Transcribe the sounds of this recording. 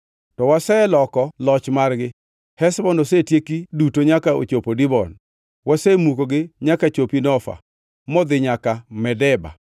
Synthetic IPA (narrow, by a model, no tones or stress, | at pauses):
tɔwasɛɛlɔkɔlɔt͡ʃmarɡɪ | hɛsbɔnosetjekidutoɲakao̰t͡ʃopodɪbɔn | wasɛmukoɡɪɲakat͡ʃopinɔfa̰ | mɔd̪ɪɲakamɛdɛba̰